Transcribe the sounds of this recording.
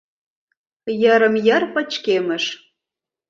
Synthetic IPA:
jəɾə̆mjərpə̆t͡ɕkeməʃ

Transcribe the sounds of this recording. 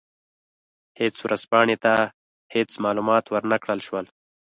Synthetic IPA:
het͡swɾʔaz̥pɑːɳet̪a | het͡smɑːlumɑːt̪wəɾnakɽəlʃwəl

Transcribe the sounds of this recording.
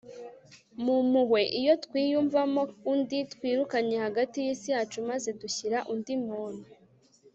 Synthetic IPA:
mumuhwe̞ʔijo̞tkwiːjuɱvamo̞unditkwiːɾukaɲe̞haɡatijisijaːt͡ʃumaze̞duçiɾaʔundimuːnu

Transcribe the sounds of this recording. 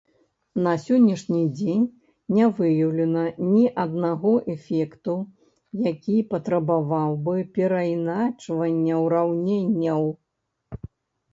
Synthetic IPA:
nɐsʲɔnʲːɛʂnʲid͡zʲenʲ | nʲavɨjɐwlʲɛnɐnʲiʔɐd̪naɣɔʔɛfʲɛkt̪u | jakʲipɐt̪ɾɐbavawbɨpʲɛɾɐjnat͡ʂvɐnʲːɐwɾawnʲenʲːɐw

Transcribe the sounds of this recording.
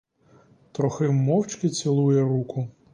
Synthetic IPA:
t̪ɾɔxɪmːɔwt͡ʃkɪt͡sʲɪlˠujɛɾukʊ

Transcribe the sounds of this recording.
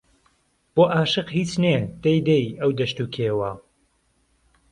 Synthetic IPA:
b̥oːʔaːʃɨqɦiːt͡ʃned̪̥ejd̪ejɐwd̪ɐʃt̪uːkʰeːwɐ

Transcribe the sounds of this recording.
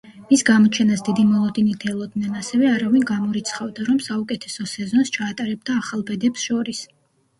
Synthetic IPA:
misɡamɔt͡ʃʰɛnasd̪id̪imɔlˠɔd̪init̪ʰɛlˠɔd̪nɛnasɛvɛaɾavinɡamɔɾit̪sʰχavd̪aɾɔmsaukʼɛt̪ʰɛsɔsɛzɔnst͡ʃʰaːt̪ʼaɾɛb̚d̪aːχalˠbɛd̪ɛpsʃɔɾis

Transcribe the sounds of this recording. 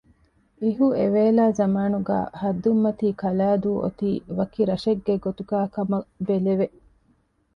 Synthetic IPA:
iɦueʋeːlaːzɐmaːnuɡæ̰ːhɐd̪ːumːɐt̪iːkɐlaːd̪uːʔo̰t̪iːʋɐkiɾɐʃeɡːeɡot̪uɡaːkɐmɐbeleʋe

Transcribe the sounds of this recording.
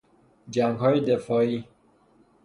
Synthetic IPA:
d͡ʒæŋɡɦɒːjed̪efɒːiː

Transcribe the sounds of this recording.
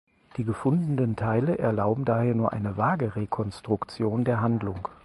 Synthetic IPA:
d̥iːɡəfʊndn̩dəntʰaɪləʔɛɐlaʊbm̩daːheːɐnuːɐʔa̰ɪnəvaːɡəʁekʰɔnstʁ̥ʊkt͡sjoːndeːɐɦandlʊŋ

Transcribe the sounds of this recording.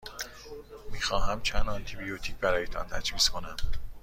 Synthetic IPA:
miːxɒːɦæmt͡ʃʰænd̪ɒnt̪ʰibijot̪ʰiːcbæɾɒːjet̪ʰɒ̰nt̪ʰæd͡ʒviːskʰo̞næm

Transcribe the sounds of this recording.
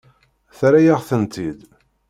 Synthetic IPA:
θɾæjaʁθənt̪ʰid̪

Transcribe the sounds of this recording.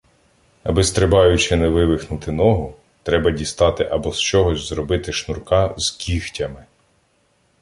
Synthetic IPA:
ɐ̰bɪst̪ɾɪbɑjʊt͡ʃɪnɛʋɪʋɪxnʊt̪ɪnɔɦʊ | t̪ɾɛbɐdʲist̪ɑt̪ɪʔɐbɔst͡ʃɔɦɔzʲzɾɔbɪt̪ɪʃnʊrkɑz̥kʲixtʲɐmɪ

